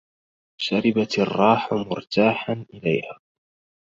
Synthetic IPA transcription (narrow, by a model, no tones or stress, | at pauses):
ʃaɾɪbat̪ɑrˤːɑːħmʊɾt̪aːħanʔɪlajhaː